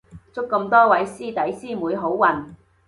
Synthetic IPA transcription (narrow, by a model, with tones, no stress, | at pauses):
t͡sʊ˥kːɐ˧mt̪ɔː˥wɐ˨˥jsiː˥t̪ɐ˨˥jsiː˥muː˨˧jɦo˨˥wːɐ˨n